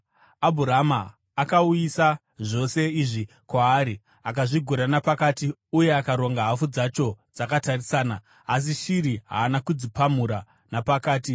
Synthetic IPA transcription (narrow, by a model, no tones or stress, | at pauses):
abʱuɾamaː | kauisa | ʐo̞se̞iʐi | kwaːɾi | akaʐiɡʱuɾanapakaːtiuje̞akaɾo̞ŋɡaɦafud͡zat͡ʃo̞d͡zakatarisaːnaː | s̬iʃiɾiɦa̰ːnakud͡zipamuɾa | napakaːti